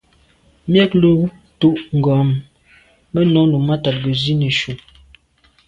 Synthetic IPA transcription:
mjɛ˦klo˦ | tu˦ʔŋ̩˨ɡɔ˨˦m | mə˦nɔ˨˦lu˨ma˦ta˨t̚ɡə˨zi˦ni˨ʃu˨

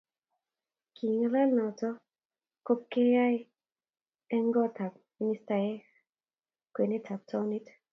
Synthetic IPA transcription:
ki˨ŋla˦lnɔ˨tɔ˦ | ko˦p̚ke˦ja˦j | ɛ˦ŋɡɔ˦t̪ʰa˨k̚ | minist̪a˧je˦ | ke˨ne˦t̪ʰa˨k̚tʰɔ˧unit

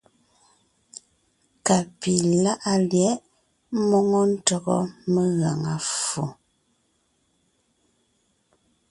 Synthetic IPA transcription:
ka˨pi˨la˦ʔa˦ljɛ˨˦ʔ | mɔ˦ŋɔ˦n̩˦tɔ˨ɣɔ̰˦mə˦ɣa˨ŋa˨fu˨

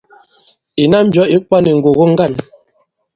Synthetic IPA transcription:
i˨na˦m̩˦bjɔ˦i˦k͡pa˦ni˨ŋ̩˨ɡo˨ɣo˦ŋ̩˦ɡa˦˨n

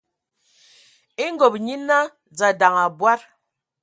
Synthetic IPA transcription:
e˦ŋ˦ɡo˨p̚ɲi˦na˦ | d͡za˨da˨ŋa˨bwa˦ɾ

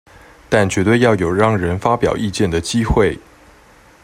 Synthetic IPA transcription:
t̪a˥˩nt͡ɕɥɛ˧˥t̪we˥˧ɪjɑ˥˩ʊjo˨˩ʊɻɑ˥˩ŋɻə˧˥nfa˥pjɑ˨˩ʊʔi˥˧t͡ɕjɛ˥˩nd̪ə˩t͡ɕi˥xwe˥˩ɪ

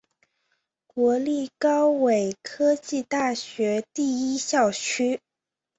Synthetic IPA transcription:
kwɔ˧˥li˥˩kɑ˥ʊwe˨˩ɪkʰɤ˥t͡ɕi˥˧t̪a˥˩ɕɥɛ˧˥t̪i˥˩i˥ɕjɑ˥˩ʊt͡ɕʰy˥

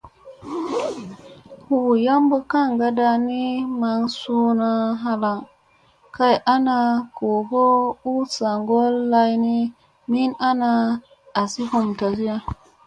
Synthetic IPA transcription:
hu˨wu˨ja˦mbə˦ka˦˨ŋɡa˦da˧ni˦ma˧ŋsu˦na˧ɦa˧la˨ŋ | ka˦jʔa˦na˧ko˨ɡo˦u˦sa˨ŋɡo˦lːa˦jni˦ | mi˦na˦na˧ | a˨si˦ho˨mta˨zi˦ja˦

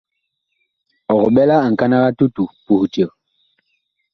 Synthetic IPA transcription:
ɔ˨ɣɔ˨ɓɛ˦la˦a˨ŋ̩˨ka˦na˦ɣa˦tu˦tu˨pu˨hu˨ti˨ə˨

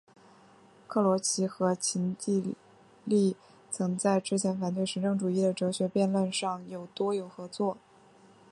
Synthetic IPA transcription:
kʰɤ˥˩lwɔ˧˥t͡ɕʰi˧˥xɤ˧˥t͡ɕʰi˧˥nt̪i˥˧ | li˥˩ | t͡sʰɤ˧˥ŋt͡sa˥˩ɪʈ͡ʂɻ̩˥t͡ɕʰjɛ˧˥nfa˨˩nt̪we˥˩ɪʂɻ̩˧˥ʈ͡ʂɤ˥˩ŋʈ͡ʂu˨˩i˥˩d̪ə˩ʈ͡ʂɤ˧˥ɕɥɛ˧˥pjɛ˥˧nlwə˥˧nʂɑ˥˩ŋjo˨˩ʊt̪wɔ˥jo˨˩ʊxɤ˧˥t͡swɔ˥˩

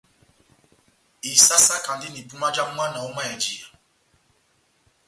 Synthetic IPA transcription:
i˨sa˦sa˦ka˨ndi˦ni˨pu˦ma˦d͡ʒa˦a˦na˨u˦ma˦jɛ˨d͡ʒi˨a˨

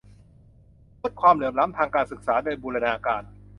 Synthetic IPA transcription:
nu˦˥˩t̪̚kʰwaː˧mlɯ˨˩˦mla˦˥mt̪ʰaː˧ŋkaː˧nsɯ˨˩k̚saː˩˦doː˧jbuː˧ɾa˧naː˧kaː˧n

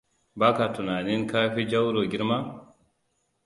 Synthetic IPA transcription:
ba˦ka˨tu˨na˨ni˦nkaː˦fi˦d͡ʒa˦wɾɔ˨ɡi˦ɾma˦

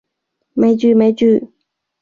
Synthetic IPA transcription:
me˧˥˦ɪt͡ɕy˥˨me˧˥ɪt͡ɕy˥˨

